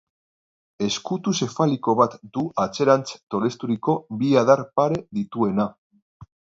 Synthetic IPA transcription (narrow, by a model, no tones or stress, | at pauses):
e̞skut̪use̞faliko̞βat̪d̪uʔat͡se̞ɾant͡st̪o̞le̞st̪uɾiko̞βiað̞aɾpaɾe̞ðit̪ue̞na